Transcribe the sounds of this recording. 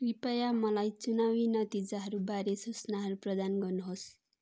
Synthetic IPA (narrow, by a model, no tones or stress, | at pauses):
wipʌjamʌlajt͡sunawinʌt̪id͡zaɦʌɾubaɾesusnaɦʌɾuprʌd̪anɡʌrnuɦos